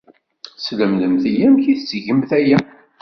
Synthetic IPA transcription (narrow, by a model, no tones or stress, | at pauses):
sləmðəmθijæmçiθt͡sːʝəmθæjæ